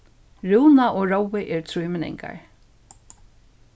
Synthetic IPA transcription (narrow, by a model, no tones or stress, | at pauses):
ɹuwnaʔoːɹowɪʔɛːɹt̪ʰɾujmɪnɛ̰ŋka̰ɹ